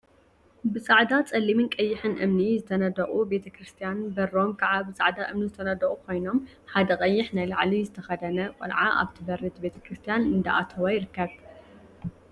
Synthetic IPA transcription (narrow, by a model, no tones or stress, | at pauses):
bɨsʼaʕd̪at͡sʼɐlːimɨnkʼɐjːɪħɨnʔɨ̰mnizɨt̪ʰɐnɐd̪ɐχʼube̞t̪ʰɐkɾɨst̪ʰijanbɐrːo̞mkʰɐʕabɨsʼaʕd̪aʔɨmnizɨt̪ʰɐnɐd̪ɐχʼukʰo̞jno̞m | ħad̪ɐkʼɐjːɪħnajlaʕlizɨt̪ʰɐxɐd̪ɐnɐkʷʼɔ̰lʕaʔa̰βt̪ʰɨbɐrɨt̪be̞t̪ʰɐ̥kɾɨst̪ʰijanɨnd̪ɐʔa̰t̪ʰɐwajɪɾɨkːɐβ